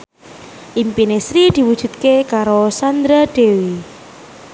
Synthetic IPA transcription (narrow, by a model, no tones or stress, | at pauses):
ʔimpinesɾid̪̥i̤wud̥ʒ̥ṳt̪̚kekaɾosand̪ɾaɖ̪̥e̤wi